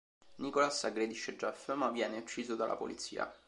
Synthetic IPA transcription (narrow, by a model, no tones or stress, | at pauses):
nikolasaɡɾed̪iʃed͡ʒːɛfəmavjɛːneut͡ʃːiːzod̪alʔa̰po̰lit̪sḭːa̰